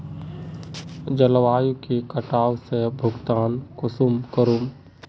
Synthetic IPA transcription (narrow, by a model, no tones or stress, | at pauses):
d͡ʒəlwaːjukekəʈaːwsebʱʊɡt̪aːnkʊsumkəɾum